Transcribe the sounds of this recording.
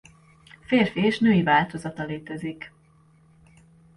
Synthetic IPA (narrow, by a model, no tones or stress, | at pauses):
feːrfieːʃnøːivaːlt̪o̞zɒt̪ɒleːt̪ɛzik